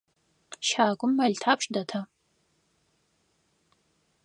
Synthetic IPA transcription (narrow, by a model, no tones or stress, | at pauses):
ʃaːɡʷʊmːɐɮtʰaːpʼʂʼdɐtʰɐ